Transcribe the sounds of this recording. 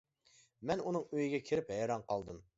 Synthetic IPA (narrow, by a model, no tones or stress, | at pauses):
mɛnunɨŋøjiɡʲɛkʲʰeɾɪphɛjɾɑnqʰɑlˠd̪ɨm